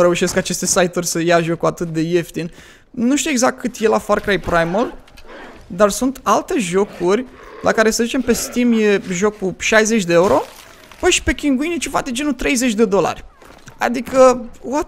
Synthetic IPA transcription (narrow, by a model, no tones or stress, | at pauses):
ɾe̞uʃe̞skat͡ʃe̞st̪e̞sajt̪urʲsəjaʒo̞kuat̪ɨt̪̚d̪e̞je̞ft̪in | nuʃt̪ueɡzak̚t̪̚kʰːɨt̪je̞lafarkɾajpɾajməl | d̪arsunt̪alt̪e̞ʒo̞kʰurʲ | lʔa̰kaɾe̞səzit͡ʃe̞mpe̞st̪imje̞ʒo̞kːuʃajze̞t͡ʃʲd̪e̞euɾo̞ | pəʃi̥pe̞kʲiŋɡuinit͡ʃeva̰td̪ed͡ʒe̞nut̪ɾe̞jze̞t͡ʃʲd̪e̞d̪o̞la̰rʲ | a̰d̪ikəwo